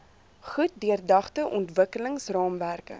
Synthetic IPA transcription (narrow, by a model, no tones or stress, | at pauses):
χut̚diərdɐχtəʔɔntvəkələŋsrɑːmværkə̰